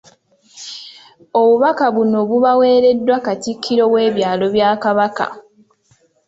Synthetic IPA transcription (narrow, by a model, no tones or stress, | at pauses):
o̞βuβakaβuno̞βuβawe̞ːɾe̞dːwakatikʰːiɾo̞we̞ːβjaːlo̞βjaːkaβaka̰